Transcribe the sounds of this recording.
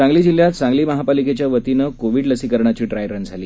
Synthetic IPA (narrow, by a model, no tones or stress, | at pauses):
aŋɡliːd͡ʑil̤ːjat̪̚t͡sãŋɡliːməɦapaliket͡ɕjaʋət̪inəkoʋiːɽləsiːkəɾɳat͡ɕiːɖɾajɾənd͡zʱaliː